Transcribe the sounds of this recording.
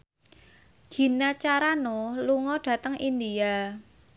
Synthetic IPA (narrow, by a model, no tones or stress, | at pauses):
ɡ̥i̤nat͡ʃaɾanoluŋɔɖ̥a̤t̪əŋind̪ia